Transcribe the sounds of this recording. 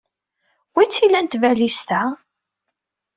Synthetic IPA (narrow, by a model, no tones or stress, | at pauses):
wit͡sːilænt̪vælist̪æ